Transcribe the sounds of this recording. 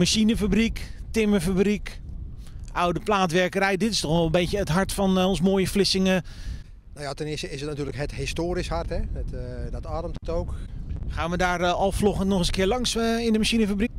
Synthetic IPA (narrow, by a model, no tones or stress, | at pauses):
maʃinəfabriktɪməfabrik | ʔawdəplaːtʋɛrkərɛjdɪtɪstɔxʋɛlˠəmbejjəətɦaɹtfɔnonsmoːjəflɪsɪŋə | nowjatɛnɪsəɪsətnatyːləkɦəthɪstoːɾishartɛətdɔtarəmtətowkxaːnʋədaːrɔlˠflɔχənnɔxəzəkɪərlɑŋsɪndəmaʃinəfabrik